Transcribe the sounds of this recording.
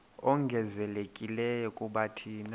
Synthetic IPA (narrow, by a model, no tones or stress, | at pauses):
ɔŋɡʱɛzɛlekʼilɛjɔkʼuɓatʰiːna